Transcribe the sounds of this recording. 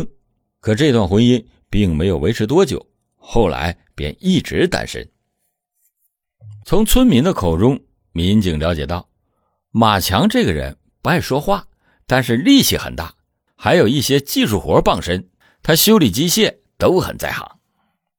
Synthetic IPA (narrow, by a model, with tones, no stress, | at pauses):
kʰɤ˨˩ʈ͡ʂɤ˥˧i˧t̪wa˥˩nxwə˥ni˥n | pi˥˩ŋme˧˥ɪjo˨˩ʊwe˧˥ɪʈ͡ʂʰɻ̩˧˥t̪̬wɔ˥t͡ɕjo̰˨˩˦ʊ | xo˥˩ʊla̰˧˥ɪ | pjɛ̰˨˩ni˥˩ʈ͡ʂɻ̩˧˥t̪a̰˥nʂə̰˥n | t͡sʰʊ˧˥ŋt͡sʰwə˥nmi˧˥ŋd̪ə˧kʰo˨˩ʊʈ͡ʂʊ˥ŋ | mi˧˥nt͡ɕi˧˩ŋljɑ˧˥ʊt͡ɕjɛ˨˩t̪ɑ˥˩ʊ | ma˨˩t͡ɕʰjɑ˧˥ŋʈ͡ʂɤ˥˩ɡə˩ɻə̰˧˥n | pu˧˥xa˥˩ɪʂwɔ˥xwa˥˩ | t̪a˥˧nʂ̬ɻ̩˥˧li˥˩ɕʰḭ˧˥˩xə̰˨˩nt̪a̰˥˩ | xa˧˥ɪjo˨˩ʊi˥˩ɕjɛ˥t͡ɕi˥˧ʂu˥˩xwɔ˧˥pɑ˥˩ŋʂə˥n | t̪ʰa˥ɕjo˥ʊli˨˩t͡ɕi˥ɕjɛ˥˩ | t̪o˥ʊxə̰˨˩nt͡sa̰˥˩ɪxɑ̰˧˥˦ŋ